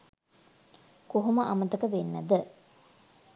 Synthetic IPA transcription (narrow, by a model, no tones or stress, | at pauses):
koɦuməʔamət̪əkəʋenːəd̪ə